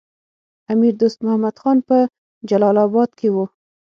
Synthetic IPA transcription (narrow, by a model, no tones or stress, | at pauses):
amiɾd̪ost̪mʊhamad̪xɑnpə | d͡ʒalɑlabɑd̪̚kewo